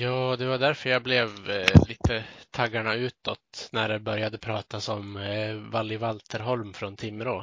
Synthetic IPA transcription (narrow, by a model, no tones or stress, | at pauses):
jɑːd̪ɛvaɖ̪æɾfœɾjablɛvliːt̪ʰət̪ʰaɡːaɳaʉ̟ːt̪ːɔt̪næɖɛbœɾjad̪əpʰɾɑːt̪asɔmvalːɪvalt̪ʰəɾɦɔlmfɾɔnt̪ʰɪmːəɾoː